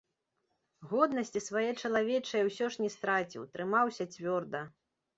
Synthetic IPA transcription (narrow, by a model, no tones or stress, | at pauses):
ɣɔd̪nɐsʲt͡sʲisvajɛt͡ʂɐlˠavʲɛt͡ʂɐjɛwsʲɔʂnʲɛst̪ɾat͡sʲḭwt̪ɾɨmawsʲɐt͡sʲvʲɔrd̪ɐ